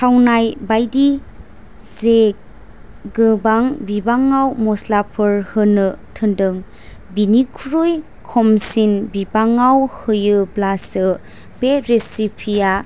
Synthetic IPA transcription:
tʰawnajbajdi | ze | ɡɯbaŋbibaŋːawmɔslapʰɯɾhɯnɯtʰɯndɯŋ | binikʰuɾuj | kʰɔmsinbibaŋawhɯjɯblasɯ | beɾesipʰija

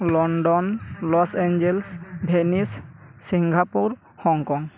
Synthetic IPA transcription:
lɔɳɖɔnlɔsend͡ʒelsbʱenisːiŋɡʱapuɾ | hɔŋkɔŋ

